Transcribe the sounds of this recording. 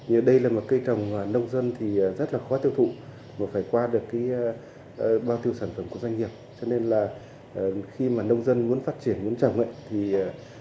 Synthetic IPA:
ɲɨ˨˩ɗə˧jlaː˨˩mo˨˩t̚kə˧jt͡ɕə˨˩wŋ͡mmaː˨˩nə˧wŋ͡mzə˧nt̪ʰiː˨˩˨zə˦˥t̚laː˨˩xɔ˨˦t̪i˧əwt̪ʰṵ˧˨ | maː˨˩faː˧˩jkwaː˧ɗɨ˨˩əkːaː˨˦j | ɓaː˧wt̪i˧əwsaː˧˩nfə˧˩mku˧˩əzwa˧ŋ̟ŋi˨˩əp̚t͡ɕɔ˧ne˧nlaː˨˩˨ | xi˧maː˨˩nə˧wŋ͡mzə˧nmu˨˦ənfaː˦˥t̚t͡ɕi˧˩ənmu˨˦ənt͡ɕə̰˨˧˩wŋ͡mʔə̰˧˨jt̪ʰi˨˩˨

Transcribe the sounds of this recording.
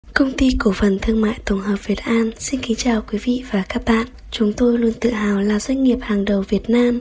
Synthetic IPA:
kə˧wŋ͡mt̪i˧ko˧˩fə˨˩nt̪ʰɨ˧əŋma̰ː˧˨jt̪o˨˧˩ŋ͡mɦəː˨˩p̚v̥i˨˩ət̚ʔaː˧nsi˧nki˨˦ŋt͡ɕaː˨˩wkwi˨˦vḭ˧˨vaː˨˩kaː˦˥k̚ɓa̰ː˧˨n | t͡ɕʊ˨˦ŋ͡mt̪o˧jlu˧ənt̪ɨ̰˧˨ɦa̰ː˧˨˩wlaː˨˩zwə˧ŋ̟ŋi˨˩əp̚haː˨˩ŋɗə˨˩wvi˨˩ət̚naː˧m

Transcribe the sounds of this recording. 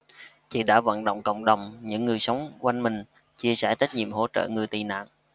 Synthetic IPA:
t͡ɕḭ˧˨ɗa̰ː˧˥və̰˧˨nɗə̰˧˨wŋ͡mkə̰˧˨wŋ͡mɗə˨˩wŋ͡mɲɨ̰˧˥ŋːɨ˨˩əjsə˨˦wŋ͡mkwa˧jŋmï˨˩ŋ̟ | t͡ɕi˧əsɛ˧˩t͡ɕa˦˥jt̚ɲḭ˧˨əmho̰˧˥t͡ɕə̰ː˧˨ŋɨ˨˩əjt̪i˨˩na̰ː˧˨n

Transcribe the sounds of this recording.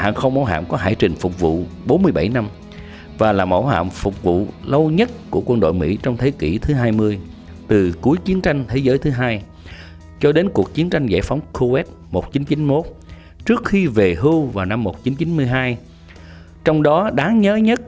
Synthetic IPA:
ha̰ː˨˩nxə˧wŋ͡mɓaː˨˦wɦa̰ː˧˨mkɔ˨˦ɦaː˧˩jt͡ɕï˨˩ŋ̟fʊ˨˩k͡p̚vṵ˧˨ɓo˨˦nmɨ˧əjɓa̰˧˩jna˧m | vaː˨˩laː˨˩mo̰˧˩wɦa̰ː˧˨mfʊ˨˩k͡p̚vṵ˧˨lə˧wɲə˦˥t̚ku˧˩əkwə˧nɗo̰˧˨jmḭ˧˥t͡ɕɔ˧wŋ͡mt̪ʰe˨˦ki˧˩t̪ʰɨ˨˦ɦaː˧jmɨ˧əj | t̪ɨ˨˩ku˨˦əjt͡ɕi˨˦ənt͡ɕa˧jŋ̟t̪ʰe˨˦zəː˨˦jt̪ʰɨ˨˦ɦaː˧j | t͡ɕɔ˧ɗe˨˦nku˨˩ək̚t͡ɕi˨˦ənt͡ɕa˧jŋ̟zɛ̰˧˩fa˨˦wŋ͡mkʰo˧wɛ˦˥t̚ | mo˨˩t̚t͡ɕi˨˦nt͡ɕi˨˦nmo˦˥t̚ | t͡ɕɨ˦˥ək̚xi˧ve˨˩ɦɨ˧wvaː˨˩wna˧mːo˨˩t̚t͡ɕi˨˦nt͡ɕi˨˦nmɨ˧əjɦaː˧j | t͡ɕɔ˧wŋ͡mɗɔ˨˦ɗaː˨˦ŋɲəː˨˦ɲə˦˥t̚

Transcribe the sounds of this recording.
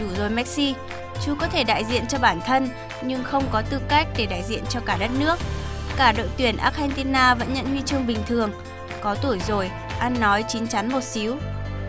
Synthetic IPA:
ɗu˧˩zo˨˩jmɛ˦˥k̚si˧ | t͡ɕu˨˦kɔ˨˦t̪ʰe˧˩ɗa̰ː˧˨jzḭ˧˨ənt͡ɕɔ˧ɓaː˧˩nt̪ʰə˧n | ɲɨ˧ŋxə˧wŋ͡mkɔ˨˦t̪ɨ˧ka˦˥jk̚ɗe˧˩ɗa̰ː˧˨jzḭ˧˨ənt͡ɕɔ˧kaː˧˩ɗə˦˥t̚nɨ˦˥ək̚ːaː˧˩ɗo̰˧˨jt̪wi˧˩ənʔaː˦˥k̚hɛ˧nt̪i˧naː˧və̰˧˥nɲə̰˧˨nhwi˧t͡ɕɨ˧əŋɓï˨˩ŋ̟t̪ʰɨ˨˩əŋ | kɔ˨˦t̪u˧˩əjzo˨˩j | ʔa˧nːɔ˨˦jt͡ɕï˨˦ŋ̟t͡ɕa˨˦nmo˨˩t̚si˨˦w

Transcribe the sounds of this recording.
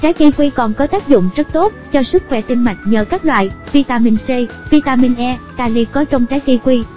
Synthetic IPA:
t͡ɕaː˨˦jki˧kwi˧kɔ˨˩nkɔ˨˦t̪aː˦˥k̚zʊ̰˧˨ŋ͡mzə˦˥t̚t̪o˦˥t̚t͡ɕɔ˧sɨ˦˥k̚xwɛ˧˩t̪i˧nma˨˩jŋ̟̚ɲəː˨˩kaː˦˥k̚lwa̰ː˧˨jvi˧t̪aː˧mi˧nse˧ | vi˧t̪aː˧mi˧nʔɛ˧kaː˧li˧kɔ˨˦t͡ɕɔ˧wŋ͡mt͡ɕaː˨˦jki˧kwi˧

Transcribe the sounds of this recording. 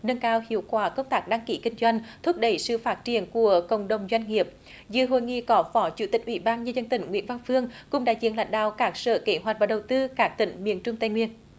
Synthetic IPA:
nə˧nkaː˧whḭ˧˨əwkwaː˧˩kə˧wŋ͡mt̪aː˦˥k̚ɗa˧ŋki˧˩kï˧ŋ̟zwa˧jŋ̟t̪ʰu˦˥p̚ɗə˧˩jsɨ̰˧˨faː˦˥t̚t͡ɕi˧˩ənku˧˩əkə̰˧˩wŋ͡mɗə˨˩wŋ͡mzwa˧jŋ̟ŋi˨˩əp̚ | zɨ̰˧˨ɦo̰˧˨jŋḭ˧˨kɔ˨˦fɔ˨˦t͡ɕu˧˩t̪ï˨˩k̚ʔwḭ˧˩ɓaː˧nɲəː˧zə˧nt̪ï˧˩ŋ̟ŋwḭ˧˥ənva˧ŋfɨ˧əŋkʊ̰˧˥ŋ͡mɗa̰ː˧˥zḭ˧˨ənla̰˧˨˦ŋ̟ɗa̰ː˧˨wkaː˦˥k̚sə̰ː˧˨ke˧˦ɦwa˨˩k̚vaː˨˩ɗə˨˩wt̪ɨ˧kaː˦˥k̚t̪ḭ̈˧˩˦ŋ̟mḭ˧˨ənt͡ɕʊ˧ŋ͡mt̪ə˧˩jŋwi˧ən

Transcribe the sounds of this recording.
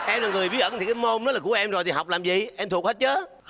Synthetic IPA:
ʔɛ˧mlaː˨˩ŋɨ˨˩əjvi˦˥ʔə˧˩nʰi˨˩kaː˨˦jmo˧nːɔ˦˥laː˨ku˧˩əʔɛ˧mzo˨˩t̪i˨ha˨˩wk͡p̚laː˨˩mzḭ˧˨ʔɛ˧mt̪ʰu˨˩ək̚ht̚t͡ɕəː˨˦

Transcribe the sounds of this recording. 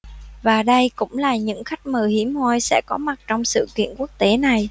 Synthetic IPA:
vaː˨˩ɗə˧jkʊ̰˧˥ŋ͡mlaː˨˩ɲɨ̰˧˥ŋxa˦˥jk̟̚məː˨˩hi˨˧˦əmhɔ˧jsɛ̰˧˥kɔ˨˦ma˨˩t̚t͡ɕɔ˧wŋ͡msɨ̰˧˨kḭ˧˨ənku˦˥ək̚t̪e˨˦na˨˩j

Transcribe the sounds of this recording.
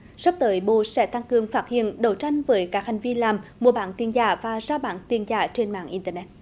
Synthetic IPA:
swk͡p̚t̪əː˨˦jɓo̰˧˨sɛ̰˧˥t̪a˧ŋkɨ˨˩əŋfaː˦˥t̚hḭ˧˨ənɗə˨˩wt͡ɕa˧jŋ̟vəː˨˦jkaː˦˥k̚ha˨˩jŋ̟vi˧laː˨˩mmu˨˧˩əɓa̰ː˨˦nt̪i˧ənzaː˧˩vaː˨˩zaː˧ɓa̰ː˧˥nt̪i˨˩ənzaː˧˩t͡ɕe˧nma̰ː˧˨nʔi˧nt̪əː˧˩nɛ˦˥t̚

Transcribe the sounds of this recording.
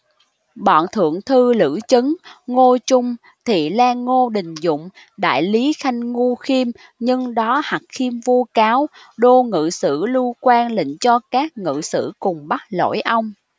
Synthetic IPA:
ɓɔ̰ː˧˨nt̪ʰɨ̰˧˨əŋt̪ʰɨ˧lɨ̰˧˥t͡ɕɨ˨˦ŋŋo˧t͡ɕʊ˧ŋ͡m | t̪ʰi˨˩laː˧ŋːo˧ɗï˨˩ŋ̟zʊ̰˧˨ŋ͡m | ɗa̰ː˧˨jli˨˦xa˧jŋ̟ŋu˧xi˧m | ɲɨ˧ŋɗɔ˨˦ha˨˩k̚xi˧mvu˧kaː˨˦w | ɗo˧ŋɨ̰˧˨sɨ̰˧˥lu˧kwaː˧nlḭ̈˧˨ŋ̟t͡ɕɔ˧kaː˦˥k̚ŋɨ̰˧˨sɨ̰˧˥kʊ˨˩ŋ͡mɓa˦˥t̚lo̰˧˥˨jʔa˧wŋ͡m

